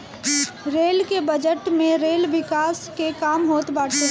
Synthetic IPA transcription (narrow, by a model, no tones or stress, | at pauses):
ɾeːlkebəd͡ʒəʈmẽɾeːlʋɪkaːskekaːmɦoːt̪baːɾt͡ʃʰe